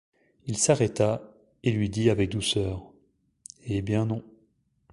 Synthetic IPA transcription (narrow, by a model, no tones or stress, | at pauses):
ilsaʁɛt̪a | elɥid̪iavɛk̚d̪usœːʁ | ebjɛ̃nɔ̃